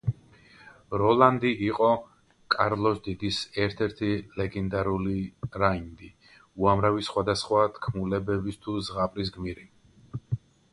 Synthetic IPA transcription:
ɾɔlˠand̪iːqʼɔ | kʼaɾlˠɔsd̪id̪isɛɾt̪ʰɛɾt̪ʰilɛɡɛnd̪aɾuliɾaind̪i | uamɾavisχwad̪asχwat̪ʰkʰmulɛbɛbist̪ʰuzʁapʼɾis̬ɡmiɾi

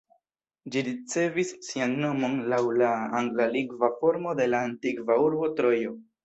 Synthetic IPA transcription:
d͡ʒiɾit͡se̞visːianːo̞mo̞nlawlaaŋɡlaliɡvafo̞ɾmo̞de̞laːntikvauɾbo̞tɾo̞jo̞

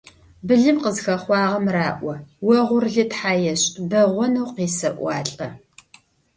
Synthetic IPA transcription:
bɨɮɨmqəzxɐχʷɑːʁɐmraːʔʷɔwɐʁʷʊrɮɨtħaːjɛɕʼbɐʁʷɔnɐwqiːsɐʔʷɑːɬʼɐ

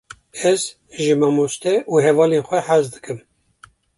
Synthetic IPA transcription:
ɛz | ʒɨmɑmost̪ɛʔuɦɛvɑːleːnxʷɛħazd̪ɨkɨm

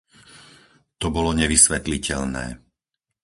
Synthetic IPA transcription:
t̪ɔbɔlɔɲɛʋisʋɛt̪licɛlnɛ̰ː

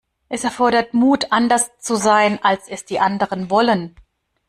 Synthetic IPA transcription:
ʔɛsɛɐfɔɐɾɐtmuːtʰʔandɐst͡suzaɪnʔalsɛsd̥iːʔandəʁənvɔlən

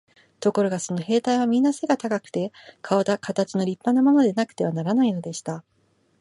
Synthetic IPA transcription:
t̪o̞ko̞ɾo̞ɡaso̞no̞ɦe̞ːt̪aiβ̞amʲĩnːaseɡat̪akakɯ̟̥t̪e̞kʰaod̪akat̪at͡ɕino̞ɾʲipːanːamo̞no̞d̪e̞nakɯ̟̥t̪e̞βanaɾanaino̞d̪e̞ɕi̥t̪a

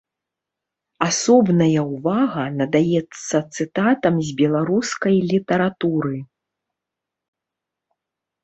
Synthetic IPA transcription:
asɔbnɐjɐwvaɣɐnɐd̪ajɛt̪sːɐt̪sɨt̪at̪ɐmzʲbʲɛlˠaɾuskɐjlʲit̪ɐɾat̪uɾɨ

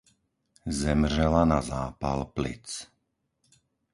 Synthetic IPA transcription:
zɛmrʒɛlanazaːpa̰lplḭt͡s

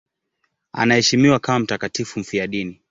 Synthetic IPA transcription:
a̰nahɛʃimiwakamam̩takatifum̩fiaɗini

